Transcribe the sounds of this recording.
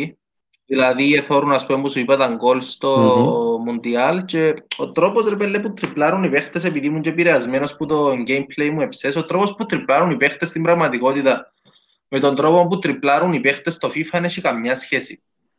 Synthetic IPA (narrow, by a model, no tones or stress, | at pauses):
i | ðilɐðieθo̞ɾunɐspumempusuipɐt̪ɐŋɡo̞lst̪o̞mund̪iɐlce̞ot̪ɾo̞po̞sɾepelːeput̪ɾiplɐɾunipe̞xt̪ese̞piðimuɲɟepiɾeɐzme̞no̞sput̪o̞ŋɡe̞jmple̞jmue̞pse̞so̞t̪ɾo̞po̞sput̪ɾiplɐɾunipe̞xt̪est̪imbɾɐɣmɐt̪iko̞t̪it̪ɐ | me̞t̪o̞nd̪ɾo̞po̞mp̬ut̪ɾiplaɾunipe̞xt̪e̞st̪o̞fifɐneɕikɐmɲɐsçesi